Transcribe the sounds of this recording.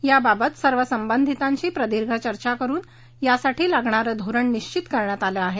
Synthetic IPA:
jababət̪səɾʋəsəmbənd̪ʱit̪ãɲt͡ɕiːpɾəd̪iɾɡʱət͡ɕəɾt͡ɕakəɾuːn | jasaʈiːlaɡɳaɾəd̪ʱuɾəɳniɕt͡ɕit̪kəɾɳjat̪aleaɦe

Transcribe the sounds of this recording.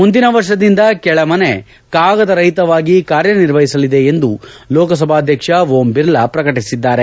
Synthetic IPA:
mund̪inɐʋɐɾʂɐd̪ind̪ɐkɛɭɐmɐne | kaːɡɐd̪ɐɾɐɦit̪ɐʋaːɡikaːɾjɐniɾʋɐɦisɐlid̪e̞end̪ulɔːkɐs̬ɐbʱaːd̪ʱjɐkʂɐʋoːmbiɾlɐpɾɐkɐʈisid̪ːaːɾe̞

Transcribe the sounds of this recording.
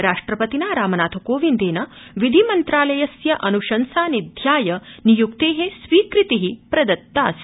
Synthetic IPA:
ɾaːʂʈɾɐpɐt̪inaːɾaːmɐnaːt̪ʰɐkoːʋind̪eːnɐʋid̪ʱimɐnt̪ɾaːlɐjɐsjɐʔɐnuʃɐnsaːnid̪ʱjaːjɐnijuk̚t̪eːɦesʋiːkɾit̪iɦipɾɐd̪ɐt̪ːaːs

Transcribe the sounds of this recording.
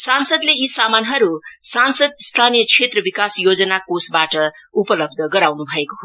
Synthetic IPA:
sansʌd̪leisamanɦʌɾusansʌd̪st̪ʰanijʌkʰet̪rʌbikasjod͡zʌnakosbaʈʌ | upʌlʌb̚d̪ʱʌɡʌɾawnubʱʌekoɦo

